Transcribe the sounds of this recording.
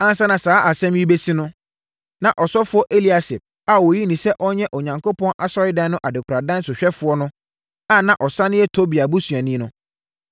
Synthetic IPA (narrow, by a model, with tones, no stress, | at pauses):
ã˦n˦sa˦nã˨saː˨˦ʔa˨sɛ̃˦mji˦be˦si˦nʊ̃˦ | nã˨ʔɔ˨sɔ˦fʊ˦ɔ˦ʔe˦li˨˦a˨sɪ˨p̚ | a˨wo˨ji˦nĩ˨sɛ˦ʔɔ˦ɲɛ̃˦ʔɔ˨ɲã˨ŋkʰo˦pɔ̃˦nʔa˨sɔ˦ɾɪ˦dã˦n˦nʊ̃˦ʔa˨dɪ˨kʰa˨dã˦n˦sʊ˨ɕᶣɛ˦fʊ˨ɔ˦nʊ̃˦ | a˦˨nã˨ʔɔ˨sã˦nɪ̃˦ɛ˦tʰo˦bi˨a˨bu˦su˨a˨nĩ˦nʊ̃˦